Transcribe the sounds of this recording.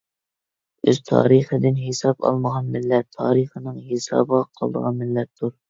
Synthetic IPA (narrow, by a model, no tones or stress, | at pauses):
øz̥t̪ʰɑ̰ːɾiχəd̪ɪnɦesɑpɑ̰lˠməʁɑnmɪlːɛt̪ʰːɑːɾiχənɨŋɦesɑ̰ːbəʁɑqʰɑlˠd̪ə̰ʁɑnmɪlːɛt̪ʰːuɾ